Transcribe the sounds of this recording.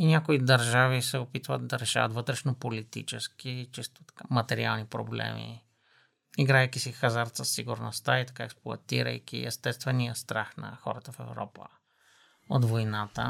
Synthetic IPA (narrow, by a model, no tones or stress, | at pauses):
inʲakoid̪ɐɾʒavisɛopit̪vət̪d̪ɐɾɛʃa̰vət̪vɤt̪ɾɛʃnopolit̪ḭt͡ʃɛsk̟it͡ʃist̪t̪kamɐt̪ɛɾḭalˠnipɾo̰blɛ̰mḭ | iɡɾaɛjk̟isixazaɾt̪səsːiɡʊɾnost̪ait̪ɐ̥kaɛksplˠʊɐ̰t̪ḭɾə̰jkʲḭɛst̪ɛst̪vɛnijəst̪ɾaxnɐ̰xɔ̰ɾət̪əfɛvɾɔ̰pə̰ | o̰d̪vojnat̪ə̰